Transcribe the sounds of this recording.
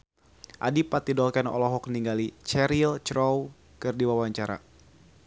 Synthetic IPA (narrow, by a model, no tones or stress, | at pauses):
ʔa̰dipat̪idɔlkɛnɔ̰lɔɦɔk̚niŋɡalit͡ʃɛɾilt͡ʃɾɔw | kɨrdiwawaɲt͡ʃaɾa̰